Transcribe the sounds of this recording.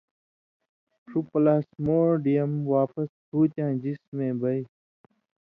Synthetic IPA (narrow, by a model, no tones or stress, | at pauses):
ʂupɐlaːsmoːɾɖijɐmwaːpɐshʰuːt͡ɕãːd͡ʑismẽːbɐi